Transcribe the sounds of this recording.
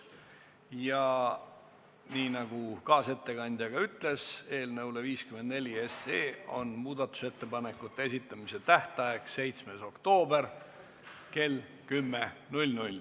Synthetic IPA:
jɑ | niːnɑɡ̥ukɑːse̞t̪ːe̞ɡ̥ɑnʲd̪̥ʲjɑɡ̥ɑyt̪ˑle̞se̞ːlnɤwleviːskymend̪nelʲie̞seːo̞̰nmuːd̪ɑt̪ːˑu̥se̞t̪ːe̞pɑne̞kːˑut̪ːee̞sit̪ˑːɑmise̞t̪æht̪ɑjekse̞jt̪sme̞so̞kt̪o̞ːbe̞r | ke̞l | kymːenulʲnulʲ

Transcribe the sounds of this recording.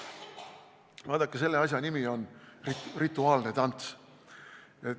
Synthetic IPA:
vɑːd̪ɑkːˑes̬e̞lːe̞ɑsʲjɑnimio̞n | rit̪ːˑuɑːlnet̪ɑnt̪s | e

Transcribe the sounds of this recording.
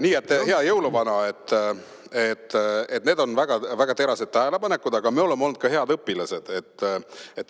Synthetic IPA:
niːet̪ːˑɦeɑjɤwlovɑnɑet̪ː | et̪ːe̞t̪ne̞ːd̪o̞nvæɡ̥ɑvæɡ̥ɑt̪e̞ɾɑsed̥̪̚t̪æɦele̞pɑne̞kːud̪ɑɡ̥ɑme̞o̞lemːeo̞nd̪̥kɑhe̞ɑd̪ɤpːilɑse̞d̪̥et̪ːˑet̪ː

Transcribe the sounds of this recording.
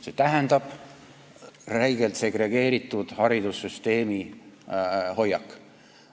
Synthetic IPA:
set̪æɦɛnd̪̥ɑb̥ | rejɡ̥elt̪se̞ɡɾe̞ɡ̥e̞ːɾit̪ːˑud̪̥hɑɾid̪̥usːyst̪e̞ːmi | ho̞jːɑkːˑ

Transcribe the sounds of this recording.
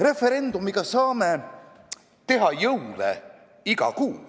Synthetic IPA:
ɾe̞fe̞ɾe̞nd̪̥umiɡ̥ɑsɑːme | t̪e̞ɦɑjɤwlḛ | iɡɑ̰kuː

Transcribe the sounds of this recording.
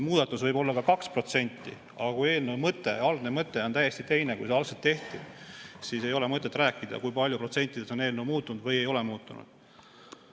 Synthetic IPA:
muːd̪̥ɑt̪ːˑusvɤjbo̞lːɑkɑkɑkspro̞t̪se̞nʲt̪ːḭ | ʔɑ̰ɡɑkuje̞ːlnewmɤt̪ːˑeɑld̪nemɤt̪ːˑe̞o̞nt̪æjest̪it̪e̞jnekṵjseɑlset̪ːe̞ht̪isise̞jo̞lemɤt̪ːˑet̪ːˑræːkːˑid̪̥ɑ̰kujpɑlʲjupro̞t̪se̞nʲt̪ːˑid̪eso̞ne̞ːlnewmuːt̪ːˑund̪̥vɤ̞je̞jo̞lemuːt̪ːˑunṵd̪̥

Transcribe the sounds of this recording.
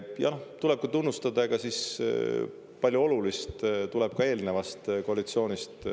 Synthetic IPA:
jɑ̰noht̪ulɛb̥̚kut̪unːust̪ɑd̪̥ɑeɡ̥ɑsiːs | pɑlʲjuo̞lulist̪t̪ulɛb̥̚kɑe̞ːlne̞vɑst̪ko̞ɑlit̪sio̞ːnʲist̪

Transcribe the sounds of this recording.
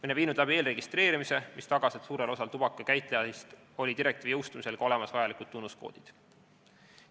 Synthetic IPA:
minːeviːnud̪̥læbieːlre̞ɡ̥ist̪re̞ːɾimise̞mʔist̪ɑɡ̥ɑsed̥̪suːɾe̞lo̞sɑlt̪ub̥ɑkːˑekæjt̪lejɑst̪ | o̞lʲid̪iɾek̚t̪iːvijɤ̞wst̪umise̞lkɑo̞lemɑsvɑjɑlikud̪̥̚t̪ːunːusko̞̰ːd̪̥id̪̥

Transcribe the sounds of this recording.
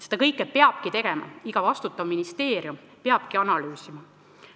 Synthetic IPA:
sed̪ɑkɤjkːˑepeɑb̥kit̪e̞ɡ̥e̞mɑ̰iɡ̥ɑvɑst̪ut̪ːˑɑvminist̪e̞ːɾjum | peɑb̥kiɑnɑlyːsimɑ

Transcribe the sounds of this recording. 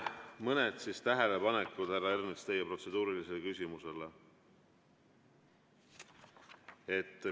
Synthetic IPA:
mɤned̪̥sist̪æɦele̞pɑnekːud̪̥hæɾːɑelnekst̪e̞jepro̞t̪se̞d̪̥uːɾiliselekysʲimuse̞le | e̞t̪ː

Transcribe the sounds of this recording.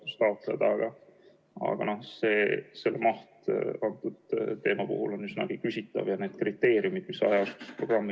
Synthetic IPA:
ust̪ɑot̪ːle̞d̪̥ɑɑɡ̥ɑ | ɑ̰ɡ̥ɑno̞hse̞ːse̞lːemɑht̪ɑnt̪ːˑud̪̥t̪e̞ːmɑpṵhṵlo̞nysnɑɡ̥ikysʲit̪ːɑ̰vjɑne̞ːd̪̥krit̪ːe̞ːɾiumid̪̥misɑ̰jɑsku̥spro̞ɡrɑmːi

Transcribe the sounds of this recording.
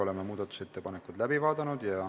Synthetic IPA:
o̞le̞mːemuːd̪̥ɑt̪ːˑu̥se̞t̪ːepɑne̞kud̪̥læbivɑːd̪̥ɑnud̪jɑ

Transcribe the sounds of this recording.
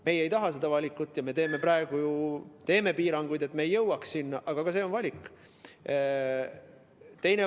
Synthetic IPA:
me̞jejt̪ɑɦɑse̞d̪̥ɑvɑlʲikːˑut̪ːˑjɑme̞t̪e̞ːme̞prɑeɡ̥ujut̪e̞ːme̞piːɾɑŋɡ̥ujd̪e̞t̪ːˑme̞ːjːɤwwɑksːinːɑʔɑɡ̥ɑkɑse̞o̞nvɑlʲikːˑ | t̪e̞jne

